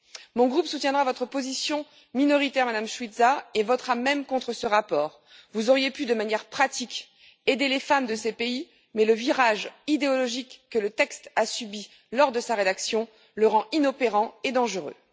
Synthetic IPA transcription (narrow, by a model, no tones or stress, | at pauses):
mɔ̃ɡʁupsut̪jɛ̃d̪ʁavɔt̪χəpozisjɔ̃ | minɔʁit̪ɛʁmad̪amʃwid̪zaevɔt̪χamɛmkɔ̃t̪χəsəʁapɔːʁ | vuzɔʁjepyd̪əmanjɛʁpχat̪ik | ed̪elefamd̪əsepei | mɛləviʁaʒid̪eɔlɔʒikːələt̪ɛkst̪asybi | lɔʁd̪əsaʁed̪aksjɔ̃ | ləʁɑ̃inɔpeʁɑ̃ed̪ɑ̃ʒəʁø̰